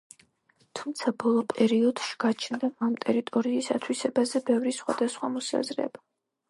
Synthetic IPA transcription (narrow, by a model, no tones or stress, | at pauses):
t̪ʰumt̪sʰabɔlˠɔpʼɛɾiɔd̪ʃi̥ɡ̥at͡ʃʰnd̪aamt̪ʼɛɾit̪ʼɔɾiːsa̰t̪ʰwisɛbazɛbɛvɾisχwa̰d̪asχwamɔsa̰zɾɛ̰ba